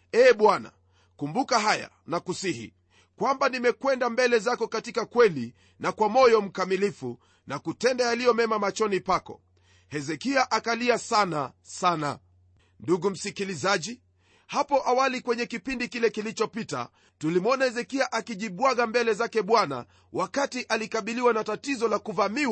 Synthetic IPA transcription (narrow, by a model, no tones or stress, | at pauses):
ɛːɓwana̰ | kumbukaɦaja̰ | nakusihḭ | kwambanimɛkwɛndambɛlɛzakɔkatikakwɛli | nakwamɔjɔm̩kamilifu | nakutɛndajalijɔmɛmamat͡ʃɔnipakɔ̰ | hɛzɛkiaʔakaliasanasana̰ | nduɡum̩sikilizaʄi | hapɔʔawalikwɛɲɛkipindikilɛkilit͡ʃɔpita̰ | tulimɔnahɛzɛkiaʔakiʄiɓwaɡambɛlɛzakɛɓwana̰ | wʔakatiʔalikaɓiliwanatatizɔlakuvami